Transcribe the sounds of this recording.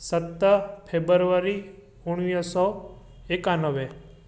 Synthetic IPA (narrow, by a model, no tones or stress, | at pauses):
sət̪ːəpʰebəɾʋaɾi | uɳ̃ʋjəsɔ | ekanəʋe